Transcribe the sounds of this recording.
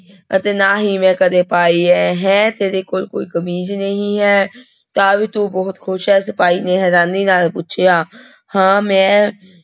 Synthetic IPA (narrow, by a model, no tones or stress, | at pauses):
ə̰t̪eːnaːɦiːmɛ̃ːkəd̪eːpaːiɛɦɛ̃ːt̪eːɾeːkoːlkoːiːkəmiːd͡ʒnəɦĩɦɛː | t̪aːʋit̪ubɔːt̪kʰʊʃɛːsəpaːiːneɦɛɾaːniːnaːlput͡ʃʰjaː | hãːmɛ̃ː